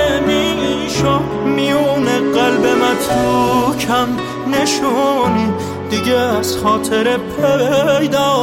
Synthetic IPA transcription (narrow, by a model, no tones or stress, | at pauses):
emi | ʃo | mijuːneɢælbe̞mæt̪ʰuːcʰæm | ne̞ʃuːni | d̪iɡeːz̥xɒːt̪ʰe̞ɾepʰejd̪ɒː